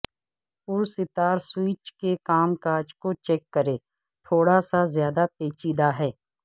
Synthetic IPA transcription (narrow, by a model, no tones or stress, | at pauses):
pʊɾsɪt̪aːɾswiːt͡ʃkekaːmkaːd͡ʒkot͡ʃɛːkːəɾeː | t̪ʰoːɽasazjaːd̪apeːt͡ʃiːd̪aɦɛː